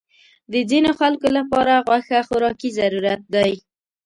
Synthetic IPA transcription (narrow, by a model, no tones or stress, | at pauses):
d̪əzinoxalkolapɑɾaɣwaxaxʊɾɑkizaɾuɾat̪̚d̪aj